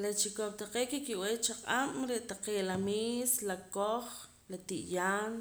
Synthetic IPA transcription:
lat͡ʃikop̚t̪aqeːʔkikiʔwet͡ʃaqʼam̰ɾeʔt̪aqeːʔlamiːslakoχ | lat̪iʔjaːn

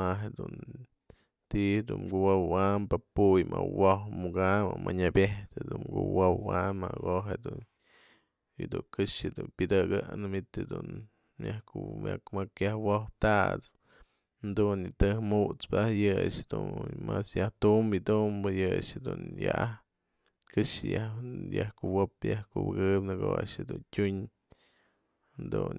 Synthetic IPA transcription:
aɦed̪un | t̪ihd̪unɡuwawampapujmawohmuɡamamaɲabʲeht̪ed̪ukuwowwanmaɡoɦed̪un | id̪uŋkɨʂɨd̪unpʲɨd̪ɨɡɨnɨmit̪ed̪un | jahkumakmakjahwohp̚t̪aʔt͡s | nd̪unit̪ɨhmuʔt͡spɨahjɨʂd̪umasjaht̪umbid̪umbɨjɨʂed̪unjaʔah | kɨʂɨjahjahkuwopjahkubɨɡɨpnɨɡoʂed̪untʲuɲ | nd̪un

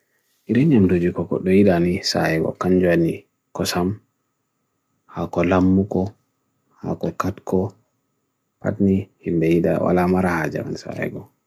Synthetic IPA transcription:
ʔiɾɛɲamtod͡ʒikɔkɔ̰ɗɔjiɗanisa̰hɛɡɔ̰kaɲd͡ʒuani | kɔsam | hakɔlamːukɔ | ha̰kɔkatkʰɔ | pa̰tnihimbɛjiɗa̰wa̰lamaɾahad͡ʒa̰ma̰nsa̰hɛ̰ɡɔ

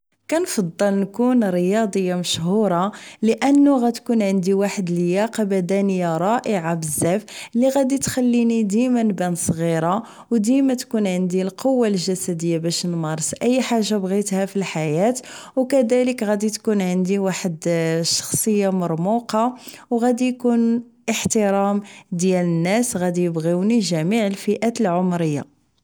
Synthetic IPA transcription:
kænfɑd̪ˤːəlnkunɾəjɑd̪ˤəjːaməʃɦuɾˤɑləʔənːuɣæt̪kunʕənd̪iwaħəd̪ljæqbæd̪ænəjaɾˤɑʔəʕabəzːæflːiɣæd̪it̪xælːinid̪imænbænsˤɣiɾˤɑ | wd̪imæt̪kunʕənd̪ilqʰowːalʒæsæd̪əjːabæʃnmɑɾˤsʔəjːħaʒːabɣit̪hæfilħajæt̪wkæd̪æləkɣæd̪it̪kunʕənd̪iwaħəd̪ʃɑ̥xsˤəjːamɑɾˤmuqɑwɣæd̪ijkun | ʔəħt̪əɾɑmd̪jælənːæsɣæd̪ijəbɣiwniʒæmiʕəlfiʔæt̪əlʕomɾəjːa̰

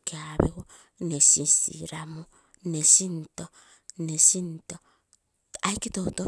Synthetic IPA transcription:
keaβewo | nesisḭɾamu | nesinto | nesinto | ajkitouto

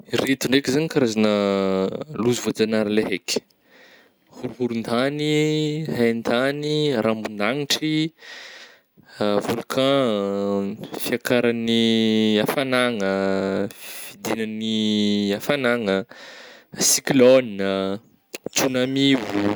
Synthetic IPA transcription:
iɾet̪uɳɖ͡ʐekzanikaɾazanə | luzuvod͡zanaɾleɦekʲ | huɾuɦuɾund̪aniɦand̪aniɾʔambund̪aŋiʈ͡ʂi | volukʰã | fiakaɾaniafanaŋə | vid̪inəniafanaŋə | siklɔnə | t͡sunamivu

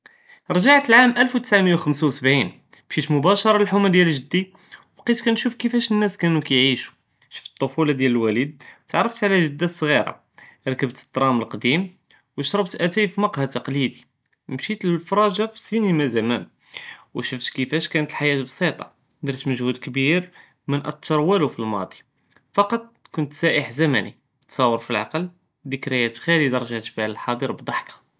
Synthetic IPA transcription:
ɾˤʒaʕt̪əlʕamʔælfwt̪ə̥sʕaməjːawxəmsawsəbʕin | bʃit̪mʊbæʃɑɾˤɑlħʊmæd̪jælʒəd̪ːi | bqit̪kænʃufkəfæʃənːæskænukæjʕiʃu̥ | ʃə̥ft̪ˤːofulɑd̪jæləlwælid̪̚t̪ʕɾˤːəft̪ʕlæʒəd̪ːæsˤɣiɾˤɑ̰ | ɾˤkəbt̪ə̥d̪ɾˤɑməlqd̪im | wəʃɾˤɑbt̪ʔæt̪æjfimɑqhat̪ɑqlid̪i | mʃit̪llfɾˤɑʒafi̥sinimæzæmæn | wʃəft̪kəfæʃkænət̪əlħajæt̪bsˤit̪ˤɑ̰ | d̪iɾt̪məʒhud̪kbiɾ | mənʔət̪ˤːɑɾˤwælufilmɑ̰d̪ˤi̥ | fɑqɑt̪ˤkʊnt̪sæʔəħzæmæ̰nḭ | t̪sˤɑwːəɾfilʕɑ̰qəl | d̪əkɾəjæt̪xælid̪ɑɾˤʒæt̪bæləlħɑd̪ˤiɾbd̪ˤɑħkḁ

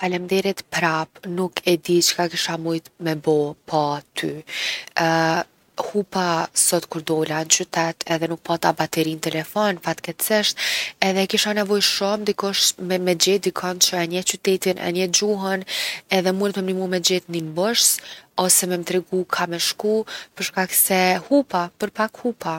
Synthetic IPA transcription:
falɛmd̪ɛɾɛt̪pɾapnukʰɛd̪it͡ʃkakiʃamujt̪mɛbɔpʰat̪ʰy | hupasɔt̪kuɾd̪ɔlant͡ʃyt̪ɛt̪ʰɛðɛnuk̚pat̪abat̪ɛɾint̪ɛlɛfɔnfat̪kɛt̪sɛʃt̪ɛðɛkiʃanɛvɔjʃɔmd̪ikuʃt̪mɛmɛd͡ʑɛt̪̚d̪ikʰɔnt͡ɕəɛnɛt͡ɕyt̪ɛt̪inʔɛ̰nɛd͡ʑuɦɔnɛðɛmuɾɛt̪mɛmnimumɛd͡ʑɛt̪nimbɔʃsɔsɛmɛmt̪ɾɛɡukʰamɛʃkupəɾʃkaksɛhupapəɾpakhupa

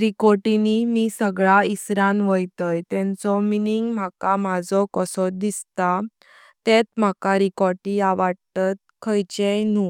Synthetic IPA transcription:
ɾikɔɾʈinimisəɡɭaisɾãnʋəjt̪əjt̪ɛ̃nt͡sɔminiŋɡm̤akamad͡zɔkɔsɔd̪ist̪a | t̪ɛt̪m̤akaɾikɔɾʈiaʋaɽt̪ət̪̚kʰəjt͡ɕejnu

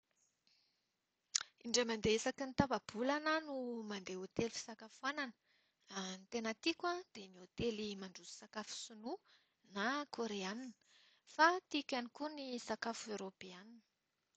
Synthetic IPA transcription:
iɳɖ͡ʐemand̪eesakinit̪avab̥ulanənumand̪eot̪elifi̥sakafuananə̥ | nt̪enət̪ikʲwad̪̥emiot̪elimaɳɖ͡ʐuzi̥sakafu̥sunu | nakʰoɾeaninə̥ | fat̪ikʲanikunisakafuewɾopeaninə̥

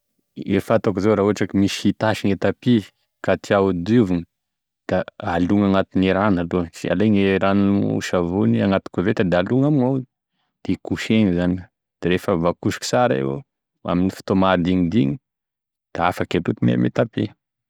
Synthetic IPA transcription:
efat̪akizoɾaɦuaʈ͡ʂakimisit̪aʃiŋet̪api | kat̪ʰiaud̪iviŋi | d̪̥aaluŋaŋat̪ineɾanaluəsia̰leŋeɾanṵʃavuniaŋat̪u̥kuvet̪ad̪aaluŋaminaw | d̪̥ekuʃeŋizani | d̪̥eɾefəvakuʃi̥ki̥saɾa̰ḛw̰ | a̰minifi̥t̪omad̪iŋid̪iɲi | d̪̥aafaket̪ut̪imḛmḛt̪api

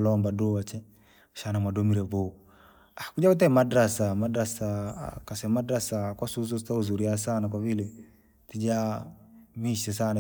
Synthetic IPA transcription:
lɔmbadɔat͡ʃɛ | ʃanamadɔmiɾɛbɔ | akud͡ʒaut̬ɛmadɾasamadɾasakasɛmadɾasakwasus̬ɔsitauzuɾiasanak̬waβilɛ | tid͡ʒa | miʃɛs̬ana

